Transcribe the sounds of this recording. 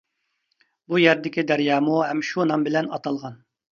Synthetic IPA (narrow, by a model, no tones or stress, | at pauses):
bujɛɾd̪ɪkʲid̪ɛɾjɑːmuɦɛmʃunɑmbɪlɛnɑt̪ʰɑlˠʁɑn